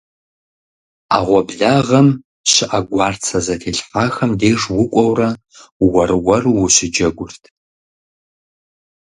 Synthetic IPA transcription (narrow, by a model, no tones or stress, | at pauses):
aːʁʷɔbɮaːʁɐm | ɕɪʔaɡʷɑːrt͡sʰɐzɐtʰeːɬħaːxɐmdeːʐwʊkʷʼɔwrɐ | wɐrwɐrwʊɕɪd͡ʒɐɡʷʊrtʰ